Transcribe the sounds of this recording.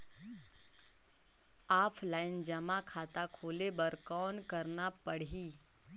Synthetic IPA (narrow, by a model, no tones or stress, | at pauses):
aːpʰlaːɪnd͡ʒɐmakʰaːt̪akʰoːlebɐɾkɔːnkəɾnapəɽiː